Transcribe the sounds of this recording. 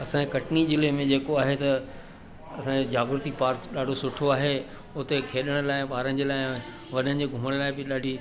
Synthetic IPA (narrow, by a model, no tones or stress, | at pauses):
ɐsãekɐʈnid͡ʑɪlemẽd͡ʑeːkoaːɦet̪ɐ | ɐsãd͡ʑed͡ʑaːɡɾʊt̪ipaːɾkɗaːɖʱosʊʈʰoaːɦe | ʊt̪ekʰeːɗəɽ̃laːɪɓaːɾənɪ̆d͡ʑeːlaːɪ | ʋɐnənɪ̆d͡ʑeːɡʱʊməɽ̃laːɪbɪɗaːɖʱi